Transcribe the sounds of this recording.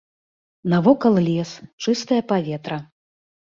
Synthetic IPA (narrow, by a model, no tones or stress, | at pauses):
navɔkɐlˠlʲɛst͡ʂɨst̪ɐjɐpavʲɛt̪ɾɐ